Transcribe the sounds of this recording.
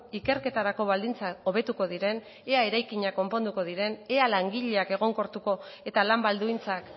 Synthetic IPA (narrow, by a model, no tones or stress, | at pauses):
ike̞ɾke̞t̪aɾako̞βald̪int͡sao̞β̞e̞t̪uko̞ð̞iɾe̞n | e̞ae̞ɾajkiɲako̞mpo̞nd̪uko̞ð̞iɾe̞ne̞alaŋɡiʎe̞ake̞ɣ̞o̞ŋko̞ɾt̪uko̞e̞t̪alambald̪uint͡sak